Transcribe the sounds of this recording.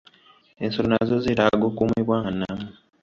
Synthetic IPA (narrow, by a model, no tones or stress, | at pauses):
ensolonazoziɾaɡokumwiβwaːŋanːamu